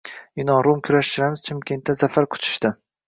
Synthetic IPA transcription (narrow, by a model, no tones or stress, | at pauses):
ɪnɒɾʊmkʲʰʊɾaʃɪɾamɪz̥t͡ʃʰɪmkʲe̞nt̪ːazafaɾqʰʊ̥t͡ʃʰɪ̥ʃt̪ɪ